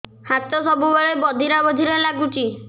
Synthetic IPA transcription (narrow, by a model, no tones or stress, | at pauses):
hat̪ɔsɔbubɔɭebɔd̪ʱiɾabɔd̪ʱiɾelaɡut͡ʃi